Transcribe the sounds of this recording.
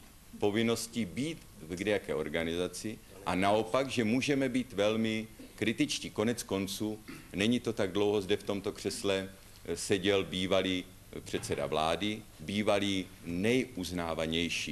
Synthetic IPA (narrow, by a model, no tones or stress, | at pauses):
po̞vɪno̞scibiːt̪ | vɡdɛjakɛːʔo̞ɾɡanɪzat͡sɪ | ʔanao̞paɡʒɛmuːʒɛmɛbiːt̪vɛlmɪkɾɪt̪ɪt͡ʃciːko̞nɛt͡sko̞nt͡suːnɛɲɪt̪o̞t̪aɡdlo̞wɦo̞zdɛft̪o̞mt̪o̞kr̥ɛslɛ | sɛɟɛlbiːvaliː | pr̥ɛt̪t͡sɛda̰vlaːdɪbiːvaliːnɛjʔuznaːvaɲɛjʃiː